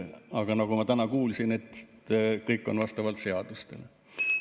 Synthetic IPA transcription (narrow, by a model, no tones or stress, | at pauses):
ɑɡ̥ɑnɑɡ̥umɑt̪ænɑkuːlsine̞t̪ː | kɤjkːˑo̞̰nvɑst̪ɑvɑlt̪se̞ɑd̪̥ust̪e̞̰l